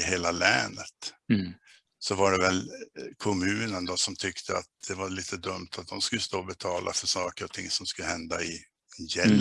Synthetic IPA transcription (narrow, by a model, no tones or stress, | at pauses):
heːlalɛːnət̪ | sɔvaɖɛvɛlkʰɔmʉ̟ːnənd̪ɔsɔmt̪ʰʏkt̪ʰəa̰t̪̚d̪̥ɛvaɭiːt̪ʰəd̪ɵmt̪ʰat̪̚d̪ɔmskɵlːəst̪oːbɛt̪ʰɑːlʔa̰fœʂɑːkəɾɔt̪ʰɪŋːsɔmskɵlːəhɛnd̪aɪ | jɛl